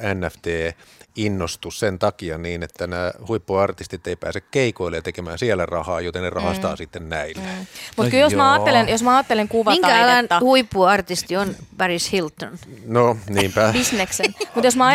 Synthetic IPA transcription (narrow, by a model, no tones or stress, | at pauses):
ænːæft̪eːinːost̪ussent̪ɑkiɑniːnet̪ːænæːhuipːuɑrt̪ist̪it̪eipæ̰ːsekkeikoilːejɑt̪ekemæːnsiælærɑhɑːjot̪ennerɑhɑst̪ɑ̰ːsit̪ːennæilːæ̥mut̪kyljomæɑːelenjosmæɑːt̪ːeleŋkuʋɑmiŋkæɑlːɑinɑhuipːuɑrt̪ist̪ionb̥ɑrishilt̪ːonnoniːmpæbisneksenmut̪josmɑɑ